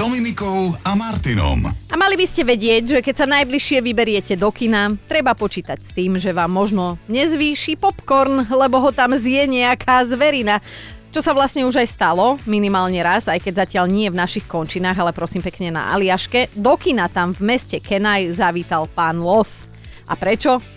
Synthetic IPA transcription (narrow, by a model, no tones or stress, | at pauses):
d̪̥ɔminikɔʊamaɾt̪inɔ̰mamalibiscɛʋɛɟɪɛɟʒɛkɛcsanajbliʃɪɛʋibɛɾɪɛcɛd̪ɔkinat̪ɾɛbapɔt͡ʃiːt̪acst̪iːmʒɛʋaːmːɔʒnɔɲɛzʋiːʃipɔpkɔɾnlɛbɔɦɔt̪amzɪjɛɲɛakʰaːzʋɛɾina | t͡ʃɔsaʋlasɲɛuʒajst̪alɔminimaːlɲɛɾazajkɛɟzacɪaʎɲɪɛvnaʃixkɔnt͡ʃinaːɣalɛpɾɔsiːmpɛkɲɛna̰ʔa̰liaʃkɛd̪ɔkinat̪amvmɛscɛkɛnajzaʋiːt̪alpaːnlɔs | ʔa̰pɾɛt͡ʃɔ